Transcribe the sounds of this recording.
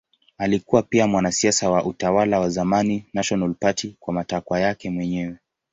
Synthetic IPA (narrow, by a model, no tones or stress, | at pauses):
alikuwapiamwanasiasawaʔutawalawazamaninaʃɔnalpatikwamatakwajakɛmwɛɲɛwɛ